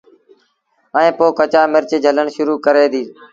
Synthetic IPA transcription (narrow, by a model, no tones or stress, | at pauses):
əẽːpoːkət͡ʃaːmɪɾt͡ʃeːd͡ʒʱələɳʃʊɾuːkəɾeːd̪iː